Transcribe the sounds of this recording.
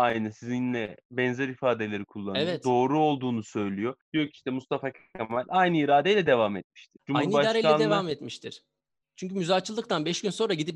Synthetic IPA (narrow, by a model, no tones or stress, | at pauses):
ajnɯsizinlʲɛbɛnzɛɾifaːd̪e̞lʲeɾikʰulˠːanevɛtod̪o̞ːɾuo̞lˠd̪uːnusø̞jlʲijo̞d̪ijo̞ci̥ʃt̪ɛmust̪afacʰamalʲajnɯːɾaːd̪ejlʲɛd̪e̞vamɛt̪̚miʃt̪ʰiɾd͡ʒumahunubaʃaːejlaɛnːd̪evamet̪miʃt̪ʰiɾ̥ | t͡ʃʰyɲc̬ymyzaːt͡ʃʰɯlˠɯk̚t̪ʰanbɛʃɟynso̞nɾaɟid̪ip